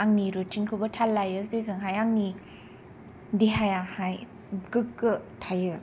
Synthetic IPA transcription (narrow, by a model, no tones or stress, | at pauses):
aŋniɾut͡ʃiŋkʰɯbɐtʰalːajɯzezɯŋɦajaŋni | diɦajahaj | ɡɯkːɯtʰajɯ